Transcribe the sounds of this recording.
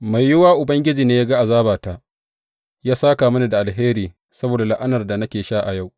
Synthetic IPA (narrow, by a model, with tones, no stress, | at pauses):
ma˨jːɪ˦waː˦ʔʊ˨bɐ˦ŋɡʲɪ˦d͡ʒiː˨neː˦jaː˦ɡa˦ʔa˨zaː˦baː˨ta˦ʔ | jaː˦saː˦kaː˨mɐ˦na˨da˨ʔa˨lɦeː˦ɾiː˨ | sɐ˦boː˨da˨lɪ˦ʔa˦nɐ˨rda˨na˦kʲeː˨ʃaː˦ʔa˨ja˦˨w